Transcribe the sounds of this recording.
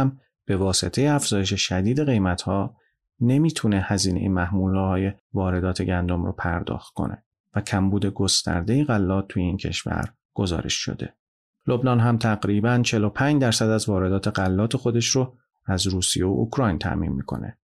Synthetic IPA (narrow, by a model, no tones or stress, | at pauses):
m | b̥e̞vɒːse̞t̪ʰe̞jeæfz̥ɒːjeʃe̞ʃæd̪iːd̪e̞ɣe̞jmæt̪ʰhɒː | ne̞miːt̪ʰune̞hæziːnḛjimæhmuːlɒːhɒːjevɒːɾe̞d̪ɒːt̪ʰe̞ɟænd̪o̞mro̰pʰæɾd̪ɒ̰ːxt̪̚kʰo̰nʔe̞̰ | væcʰæmbuːd̪e̞ɡo̞st̪æ̰ɾd̪e̞jiɣælːɒːt̪̚ʰːujeiːncʰe̞̰ʃvæ̰ɾ | ɡ̥ozɒ̰ːɾe̞̰ʃʃo̰d̪e̞̰ | lo̞bnɒːnɦæmt̪ʰæɣɾiːbænt͡ʃʰelo̞pʰæːɲd͡ʒd̪æɾsæd̪æzvɒːɾe̞d̪ɒːt̪ʰe̞ɢælːɒːt̪ʰexo̞d̪e̞ʃɾo | æzɾuːsijeo̰ʔukʰɾɒːjnt̪ʰæ̰ʔmḭːnmḭːkʰo̞̰ne̞̰